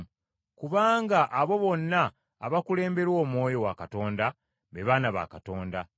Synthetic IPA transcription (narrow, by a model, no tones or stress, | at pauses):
kuβaːŋɡaʔaβo̞βo̞nːaː | βakule̞ːmbe̞ɾwo̞ːmwo̞ːjo̞wakato̞ːnda | βeβanaβa̰kato̞ːnda